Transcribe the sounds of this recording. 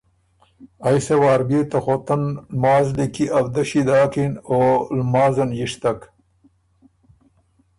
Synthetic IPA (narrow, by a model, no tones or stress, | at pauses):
ajsewaːɾbeːt̪axot̪anmaːzlikiʔawd̪aʃid̪ɑːkinoːlmɑːzɐnjiʂt̪ak